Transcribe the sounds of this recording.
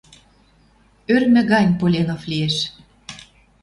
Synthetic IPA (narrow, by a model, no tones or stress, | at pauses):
ørmɘ̆ɣɑnʲpolʲenoflieʃ